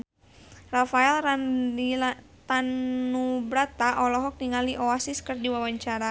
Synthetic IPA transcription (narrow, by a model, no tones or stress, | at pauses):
rafaɛlil | t̪anːubɾat̪aʔɔlɔɦɔk̚niŋaliʔɔasiskərdiwawaɲt͡ʃaɾa